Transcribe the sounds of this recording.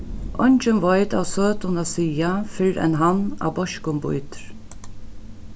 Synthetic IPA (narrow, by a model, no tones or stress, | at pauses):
ʔɔɲt͡ʃɪnʋɔjt̪a̰wsøːt̪ʊnasiːafɪɾɛ̰nɦanːa̰wbɔʃkʊmbʊ̰jt̪ɾ